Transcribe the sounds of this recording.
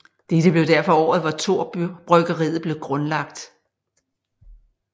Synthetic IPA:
d̥ed̥əb̥le̝ʊdæɐfɒ̽ɒ̰ːð̞̩ˠʋɑ̈t͡sʰo̝̰ɐ̰b̥ʁœɡ̥ɐʁḭːð̩ˠb̥le̝ʊɡ̥ʁɔ̽nlɑ̈ɡ̥d̥

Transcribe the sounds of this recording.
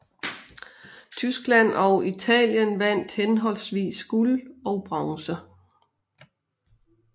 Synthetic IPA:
t͡sʰysɡ̥læn̰ɒʊit͡sʰɛ̰ːljənʋæn̰d̥henɦɒ̽lsʋḭːsɡ̥ulɒʊb̥ʁɑ̈ŋsə

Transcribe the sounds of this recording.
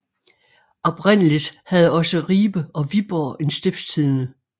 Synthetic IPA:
ɒ̽b̥ʁen̰əlid̥hæð̞ˠɒ̽səʁiːb̥əɒ̽ʋib̥ɒ̰ːe̝nsd̥efst͡sʰiðˠnə

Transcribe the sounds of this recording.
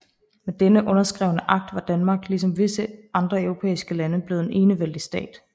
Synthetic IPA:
med̥enəʔɔ̽nɐsɡ̥ʁɛ̰ʊnəʔɑ̈ɡ̥̚d̥ʋɑ̈d̥ænmɑ̈ːɡ̥lisɒ̽mʋe̝səʔɑ̈nd̥ʁɐœʊʁo̝pʰḛːisɡ̥əlænəb̥le̝ð̩ˠenʔe̝ːnəʋel̰d̥isd̥ɛ̰ːd̥

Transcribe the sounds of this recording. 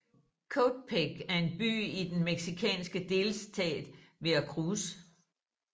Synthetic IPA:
kʰod̥̚pʰeɡ̥æɐe̝nb̥y̰ːid̥enmeɡ̥sikʰɛ̰ːnsɡ̥əd̥e̝ːlsdʰɛ̰ːd̥ʋe̝ækʰʁuːs

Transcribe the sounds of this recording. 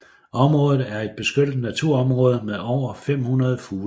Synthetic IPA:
ɒ̽mʁɔːðˠð̩ˠæɐe̝d̥̚b̥e̝sɡ̥ød̰d̥næt͡sʰuɐ̰ɒ̽mʁɔ̽ːðˠəmeðˠɒʊ̰ɐfem̰hunɐðˠfuː

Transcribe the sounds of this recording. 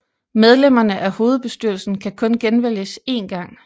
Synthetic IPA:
með̞ˠlem̰ɐnəʔæho̝ːð̞̩ˠb̥e̝sd̥yɐ̰l̩sn̩kʰækʰɔ̽nɡ̥enʋel̰jəse̝ːnɡ̥ɑ̈ŋ̰

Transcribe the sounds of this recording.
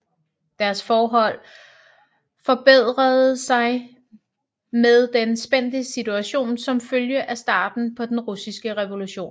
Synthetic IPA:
d̥æɐsfɒːɦɒ̽l̰ | fɒ̽b̥eð̞̰ˠʁɐð̩ˠsɑ̈ɪ | meðˠd̥ensb̥en̰d̥əsit͡sʰuæɕo̝̰ːnsɒ̽mføljəʔæsd̥ɑ̰̈ːd̥n̩pʰɒ̽d̥enʁusisɡ̥əʁɛʋo̝luɕo̝̰ːn

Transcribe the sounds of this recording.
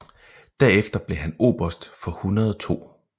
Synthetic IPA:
d̥æɐefd̥ɐb̥le̝ɦæno̝̰ːb̥ɐsd̥fɒ̽hunɐð̞ˠɒt͡sʰo̝̰ː

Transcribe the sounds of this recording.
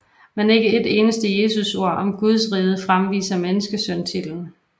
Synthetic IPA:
menæe̝ɡ̥əe̝d̥e̝ːnəsd̥əje̝ːsuso̝ɐ̰ʔɒ̽mɡ̥uð̞ˠsʁiːð̞̩ˠəfʁamʋḭːsɐmenəsɡ̥əsœnt͡sʰeln̩

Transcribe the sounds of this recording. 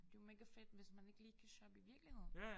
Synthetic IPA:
d̥eomeɡ̥æfed̥ʋe̝smæne̝ɡ̥əliːkʰæɕɒb̥iʋiɐɡ̥lihe̝ð̰̩ˠ

